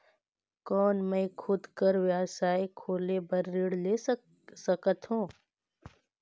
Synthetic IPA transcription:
kɔːnmẽkʰʊd̪kəɾʋjaːsaːikʰoːlebəɾːɪɽleː | səkət̪ɦũː

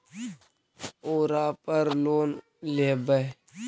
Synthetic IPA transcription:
oːɾaːpəɾloːn | leːbə

